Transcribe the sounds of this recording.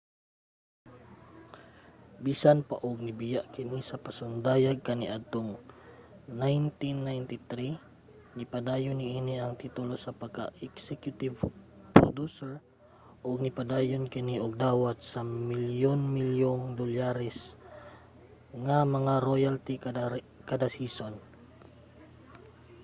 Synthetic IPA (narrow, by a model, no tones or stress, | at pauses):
biːsanpa̰ʔʊɡ̚nɪbɪjaʔkɪnisɐpɐsʊnd̪aːjaɡ̚kɐniʔad̪̚t̪oŋ | najnt̪inːajnt̪ɪt̪ɾi | nɪpɐd̪aːjonɪʔiːniʔɐŋt̪it̪ʊlosɐpɐɡ̚ka̰ʔɛksɛkjʊt̪ɪv | pɾo̰d̪usɛɹ | ʔoɡ̚nɪpad̪aːjonkɪniʔoɡ̚d̪aːwat̪̚sɐmɪljonmɪljoŋd̪olaɾɛs | ŋɐmɐŋaɾojalt̪ik | kɐd̪asiːson